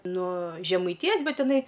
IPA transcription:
nuɔ ʒʲɛmɐɪˈtʲɪjoːs ˈbʲɛt ɪˈnɐɪ

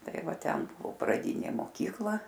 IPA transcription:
ˈtɐɪ ˈʋɐ ˈtʲɛn ˈbʊʋoː prɐˈdʲɪnʲeː moːˈkʲiːklˠɐ

